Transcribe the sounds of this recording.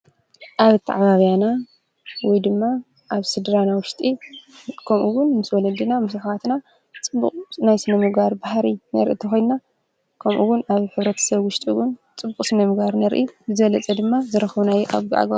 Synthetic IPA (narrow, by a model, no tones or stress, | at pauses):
ʔaβt̪ʰa̰ʕβaβijana | wɔjd̪ɨmːa | ʔaβsɨd̪ɾanawʊʃt̪ʼi | kʰɐmʔuwʊnmɨswɔlɐd̪ɨnamɨsɨxat̪na | t͡sʼɨbːukʼnajsɨnɐmɨɡaɾbahɾinɐɾʔḭt̪ʰɐxojnna | kʰɐmʔuwʊnaβħɨβɾɐt̪ʰɐ̥sɐβwʊʃt̪ʼiwunt͡sʼɨbːukʼsɨnɐmɨɡbaɾnɐɾʔibɨzɨβɐlɐt͡sʼɐd̪ɨmːazɨɾɐxβunajʔa̰βɡʔa̰ɡa